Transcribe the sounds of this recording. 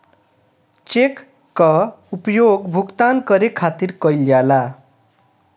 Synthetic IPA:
t͡ʃekː | ʌupjoɡbʱukt̪ankʌɾekʰat̪irkʌjljala

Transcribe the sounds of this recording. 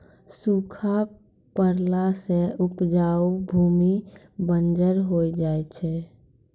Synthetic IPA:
sukʰa | pəɾlasẽʊpd͡ʒaubʱuːmi | bənd͡ʒəɾɦoid͡ʒaːɛt͡ʃʰɛ

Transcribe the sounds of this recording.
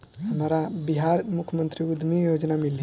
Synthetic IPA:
ɦəmɾabiɦaɾmukʰəmənt̪ɾiud̪ʱmijod͡ʒnamili

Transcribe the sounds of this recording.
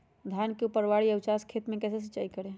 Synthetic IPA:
d̪ʱjankeupəɾʋaɽiəwt͡ʃaskʰet̪mekɛses̬it͡ʃaikəɾe

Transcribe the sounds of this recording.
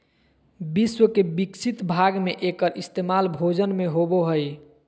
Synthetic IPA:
biswəkebiksʰit̪bʱaɡmeʔekəɾʔist̪emalbʱod͡ʒənmeɦoboɦəj

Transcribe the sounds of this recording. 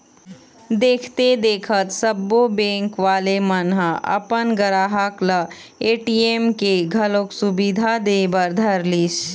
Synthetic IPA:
d̪eːkʰt̪ed̪eːkʰət̪səbːobẽːŋkʋaːlemənɦəɐ̰pənɡəɾaːɦəkləeːʈiːemkeɡʱəlõksʊbid̪ʱad̪eːbəɾd̪ʱɐɾliʃ

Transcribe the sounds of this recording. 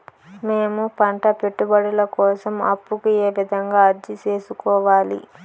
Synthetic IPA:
meːmupɐɳʈɐpe̞ʈːubɐɽulɐkɔːsɐmɐ̰pːukue̞ːʋid̪ʱɐŋɡaːɐɾd͡ʒit͡ʃe̞ːsukɔːʋaːlḭ

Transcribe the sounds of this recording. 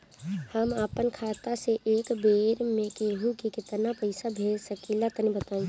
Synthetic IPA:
həmaːpənkʰaːt̪aseʔeːkbeːɾmẽkeɦũkikɪt̪napəɪsabʱeːd͡ʒsəkilat̪ənibət̪ãː

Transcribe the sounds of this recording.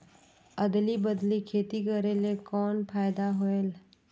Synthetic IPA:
əd̪libəd̪likʰeːt̪ikəɾelekɔːnpʰaːɪd̪aɦoel

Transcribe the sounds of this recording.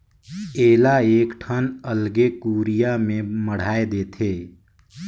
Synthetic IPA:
eːlaeːkʈʰənəlɡekuːɾijamẽməɽ̤aːed̪eːt̪ʰeː

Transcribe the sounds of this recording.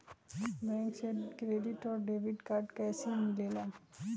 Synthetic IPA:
bɛ̃ːŋksekɾeːɖɪʈɔːɾɖeːʋɪɖkaːɾʈkɛːsemɪlela

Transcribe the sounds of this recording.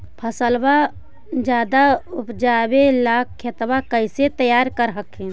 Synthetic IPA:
pʰəsəlba | d͡ʒjaːd̪aʊpd͡ʒaːbelaːkʰːet̪bakəɪset̪əjaːɾkəɾɦəkɦẽː

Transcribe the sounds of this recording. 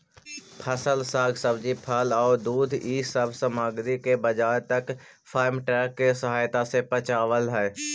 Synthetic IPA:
pʰəsəlsaːɡʱsəbd͡ʒipʰəlɔːɾd̪uːd̪ʱiːsəbʱsəmaːɡd̪ikebəd͡ʒaːjt̪ək | fʰaːɪmʈɾɛːkːesəɦaːjt̪asepət͡ʃaːʋəlɦɛː

